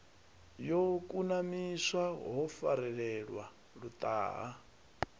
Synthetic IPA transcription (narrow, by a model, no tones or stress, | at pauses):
jokʼunamiswaɦɔfa̰ɾɛɺɛɺwa | ɺut̪ʼa̰ːɦa